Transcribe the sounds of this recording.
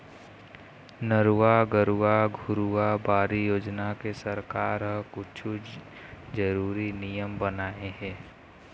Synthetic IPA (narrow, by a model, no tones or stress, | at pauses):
nəɾuwaɡəɾuaɡʱʊɾuabaːɾijoːd͡ʒnakesəɾkaːɾɦəkʊt͡ʃʰu | d͡ʒəɾuːɾinijəmbənaːeɦɛ̃ː